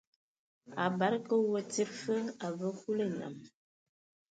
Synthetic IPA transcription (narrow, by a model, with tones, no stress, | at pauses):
a˨ba˨˦ɾkə˦wə˦t͡si˦ɾfə˦a˨və˦hu˦lə˦˨na̰˨m